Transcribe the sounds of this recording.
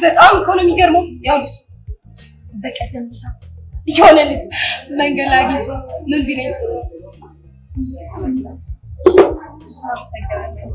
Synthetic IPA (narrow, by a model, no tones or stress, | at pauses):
bət̪ʼamikʰonomiɡəɾməwjawbɨs | bəkʼəd̪ːəmnajɛhonəlːɨt̪məŋɡəlaɡimɨnvilet̪ | s | saməsəɡɨnalːə